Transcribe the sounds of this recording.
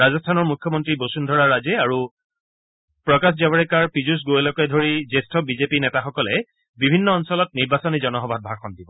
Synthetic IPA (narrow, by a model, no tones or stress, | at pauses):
azɔstʰanɔɹmukʰːjɔmɔntɹibosundʱɔɹaɹazɛaɹu | pɹɔkaszabaɹɛkaɹpizus̬ɡoɛlɔkɔɛdʱoɹizestʰɔbizepinɛtaxɔkɔlɛ | bibʱinːɔːnsɔlɔt̚niɹbasɔnizɔnɔxɔbʱad̚bʱaɹxʰɔndibɔ